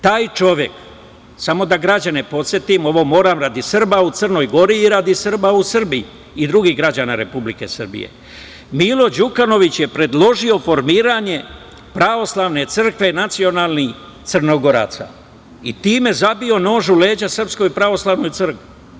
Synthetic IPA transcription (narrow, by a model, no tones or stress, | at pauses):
t̪aːjt͡ʃo̞ʋje̞k | samo̞d̪aɡɾad͡ʑane̞po̞t̪sʲje̞t̪imo̞ʋo̞mo̞ːɾamɾad̪isrbaut̪sərno̞jɡo̞ɾiːɾad̪isr̩bausr̩biiː | d̪ɾuɡiɦɡɾad͡ʑanaɾe̞publike̞̰srbḭjḛ | milo̞d͡ʑukano̞ʋit͡ɕje̞pɾe̞d̪lˠo̞ʒio̞fo̞ɾmiːɾaɲe̞ | pɾaʋo̞slaʋne̞t̪sɨr̩kʋe̞nat̪sio̞naːlˠnix | t̪sɨrnoɡo̞ɾa̰ːt̪sa̰ | it̪iːme̞zabio̞no̞ːʒule̞ːd͡ʑasr̩psko̞jpɾaʋo̞slˠaʋnojt̪ɨr̩kʋi